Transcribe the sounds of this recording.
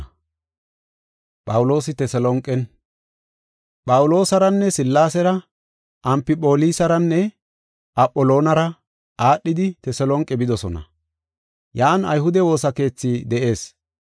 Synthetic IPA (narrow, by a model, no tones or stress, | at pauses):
pʼɐwʊlo̞ːsɪt̪ɛsɛlɔŋkʼɛn | pʼɐwʊlo̞ːsɐɾɐnːɛsɪlːaːsɛɾɐ | ʔɐmpɪpʼo̞ːlisɐɾɐnːɛ | ʔɐpʼːɔlo̞ːnɐɾɐ | ʔaːɗːɪd̪ɪt̪ɛsɛlɔŋkʼːɛbɪd̪ɔsɔnɐ̰ | jaːnɐ̰jɦʊd̪ɛwo̞ːsɐke̞ːt͡sːiːd̪ɛʔe̞ːs